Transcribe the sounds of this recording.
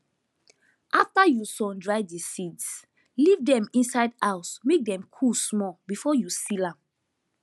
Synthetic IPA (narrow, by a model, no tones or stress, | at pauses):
ʔaftajusɔ̃ndɹaɪdisids | livdɛ̃mĩnsaɪdaʊsmek̚dɛ̃mkʰusmɔbifɔjusilãm